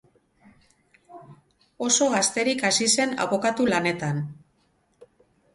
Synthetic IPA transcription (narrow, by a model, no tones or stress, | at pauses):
o̞so̞ɣast̪e̞ɾikasise̞na̰βo̞kat̪ulane̞t̪an